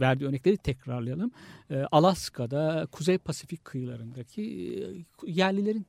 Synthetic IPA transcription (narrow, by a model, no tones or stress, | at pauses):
væɾd̪iːø̞ɾnɛclʲeɾit̪ʰɛcɾaɾlˠajalˠɯmːʔalˠaskʰad̪akʰuzejpʰasificʲkʰɯjɯlˠaɾɯnd̪acʰi | jæɾlʲilʲe̞ɾin